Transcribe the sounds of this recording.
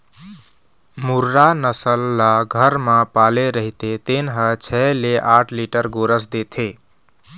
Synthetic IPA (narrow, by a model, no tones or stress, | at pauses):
muɾːanəsəlːaɡʱəɾmãpaleɾəɦit̪et̪enɦət͡ʃʰɛleʔaʈʰliʈəɾɡoɾəs̬d̪et̪ʰe